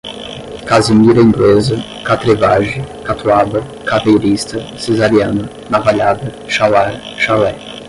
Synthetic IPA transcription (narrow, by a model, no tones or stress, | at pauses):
kazɪmiɾɐĩŋɡlezɐ | kat̪ɾevaʒɪkat̪ʰuavɐ | katejɾist̪ɐsezaɾiɐnɐ | navaʎad̪ɐ | ʃawaɾ | ʃawɛ